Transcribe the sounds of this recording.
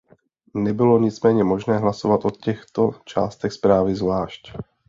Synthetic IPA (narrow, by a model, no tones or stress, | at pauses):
nɛbɪlo̞ɲɪt͡smɛːɲɛmo̞ʒnɛːɦlaso̞vat̪ʔocɛxt̪o̞t͡ʃa̰ːst̪ɛxspɾaːvɪzvlaːʃc